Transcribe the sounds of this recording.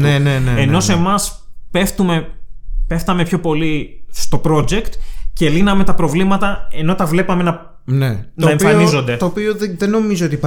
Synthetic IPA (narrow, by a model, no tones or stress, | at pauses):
neneneeno̞se̞mɐs | pe̞ft̪ume̞pe̞ft̪ɐme̞pço̞po̞list̪o̞pɾo̞d͡ʑe̞kt̪ce̞linɐme̞t̪ɐpɾo̞vlimɐt̪ɐe̞no̞t̪ɐvle̞pɐme̞nɐ | nenɐeɱfɐnizo̞nd̪e̞t̪opioðeno̞mizoot̪ip